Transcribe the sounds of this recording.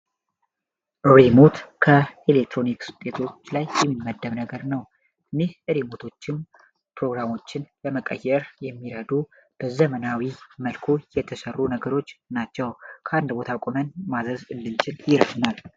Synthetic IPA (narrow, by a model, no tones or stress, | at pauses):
ʔɨɾemot̪kʰəelek̚t̪ɾo̞niksɨ̥t̪ʼe̞t̪ʰo̞t͡ʃːlajjɛmːimːəd̪ːəβnəɡəɾnəw | ɨnːehʔɨɾimo̞t̪ʰo̞t͡ʃːɪn | pɾo̞ɡɾamo̞t͡ʃːɪnləməkʼə̰jːɛɾjɛmːiɾəd̪u | b̥əzəmənawiməlkʰujɛt̪ʰəsərːunəɡəɾo̞t͡ʃːnat͡ʃːɛwkʰəand̪bo̞t̪ʰakʼomənmazəzɨlːɨld͡ʒɪnjɪɾəd̪nal